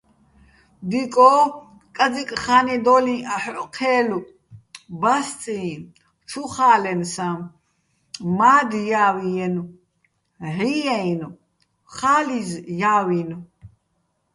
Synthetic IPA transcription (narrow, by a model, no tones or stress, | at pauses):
d̪ikʼɔː | kʼad͡zikʼχanid̪ɔlĩaħqʰɛːlu | bast͡sʼĩ | t͡ʃʰuχaːlɛnsam | maːd̪jaːwijɛnu | ʕijɛinu | χaːlizjaːwin